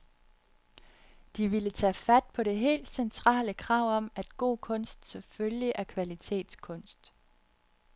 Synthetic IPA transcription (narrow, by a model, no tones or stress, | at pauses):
d̥iʋilət͡sʰɛ̰ːfæd̥̚pʰɒ̽ɾe̝ɦe̝̰ːld̥sent͡sʰʁɑ̰̈ːləkʰʁɑ̈ʊ̰ɒ̽m̰æd̥ɡ̥o̝̰ːkʰɔ̽n̰sd̥sɒ̽føljiʔæɐkʰʋælit͡sʰe̝̰ːd̥skʰɔ̽n̰sd̥